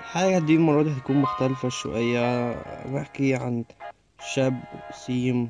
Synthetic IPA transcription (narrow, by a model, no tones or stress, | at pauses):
ħaːɡæhd̪iːmɑrˤːɑːhæt̪æ̥kuːnmʊxt̪ælfæʃːo̰ʔejːæbaħkiʕan | ʃæbsiːm